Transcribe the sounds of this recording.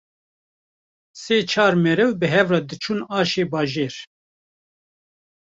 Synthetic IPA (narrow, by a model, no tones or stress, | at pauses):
seːt͡ʃʰɑːɾmɛɾɛwbɨɦɛvrɑːd̪ɨt͡ʃʰuːnɑːʃeːbɑːʒeːɾ